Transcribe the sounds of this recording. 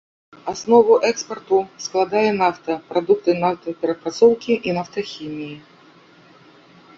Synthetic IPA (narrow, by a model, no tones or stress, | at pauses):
asnɔvʊʔɛkspɐrt̪ʊsklˠad̪ajɛnaft̪ɐpɾad̪uk̚t̪ɨnaft̪ɐpʲɛɾɐpɾat̪sɔwkʲiʔinaft̪ɐxʲimʲiji